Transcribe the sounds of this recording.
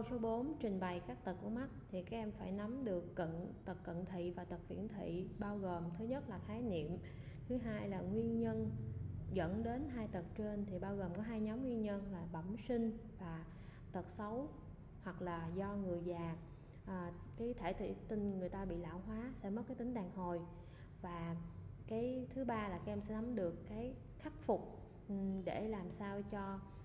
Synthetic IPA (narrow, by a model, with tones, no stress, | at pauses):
ə˧wso˨˦ɓo˨˦nt͡ɕï˨˩ŋ̟ɓa˨˩jkaː˦˥k̚t̪ə˨˩k̚ku˧˩əma˦˥t̚t̪ʰi˨˩kaː˦˥k̚ʔɛ˧mfaː˧˩jna˨˦mɗɨ˨˩əkːə̰˧˨nt̪ə˨˩kːə̰˧˨nt̪ʰḭ˧˨vaː˨˩t̪ə˨˩k̚vḭ˧˩ənt̪ʰḭ˧˨ɓaː˧wɣoː˨˩mt̪ʰɨ˨˦ɲə˦˥t̚laː˨˩xaː˨˦jnḭ˧˨əm | t̪ʰɨ˨˦ɦaː˧jlaː˨˩ŋwi˧ənɲə˧nzə̰˧˥nɗe˨˦nɦaː˧jt̪ə˨˩t̚t͡ɕe˧nt̪ʰi˨˩ɓaː˧wɣo˨˩mkɔ˨˦ɦaː˧jɲɔ˨˦mŋwi˧ənɲə˧nlaː˨˩ɓə˧˩msi˧ŋ̟vaː˨˩ | t̪ə˨˩t̚sə˨˦w | hwa˨˩k̚laː˨˩zɔ˧ŋɨ˨˩əjzaː˨˩ | ʔː | kaː˨˦jt̪ʰe˧˩t̪ʰḭ˧˩t̪i˧nŋɨ˨˩əjt̪aː˧ɓḭ˧˨la̰ː˧˩wɦwaː˨˦sɛ̰˧˥mə˦˥p̚kaː˨˦jt̪ï˨˦ŋ̟ɗaː˨˩ŋho˨˩j | vaː˨˩kaː˨˦jt̪ʰɨ˨˦ɓaː˧laː˨˩ka˨˦ʔɛ˧msɛ̰˧˥na˨˦mɗɨ˨˩əkːaː˨˦j | xa˦˥k̚fʊ˨˩k͡p̚ | ɗe˧˩laː˨˩msaː˧wt͡ɕɔ˧